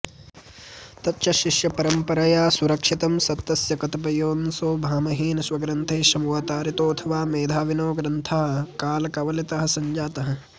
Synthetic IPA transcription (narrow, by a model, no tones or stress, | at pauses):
t̪ɐtːʃɐʃiʃjɐpɐɾɐmpɐɾɐjaːsuɾɐkʂit̪ɐmsɐt̪ːɐsjɐkɐt̪ɐp̬ɐjoːnsoːbʱaːmɐɦiːnɐswɐɡɾɐnt̪ʰeːʃɐmuʋaːt̪aːɾit̪oːɐt̪ʰɐʋaːmeːd̪ʱaːʋinoːɡɾɐnt̪ʰaːɦɐkaːlɐkɐʋɐlit̪ɐɦɐ̆sɐɲd͡ʒaːt̪ɐɦɐ̆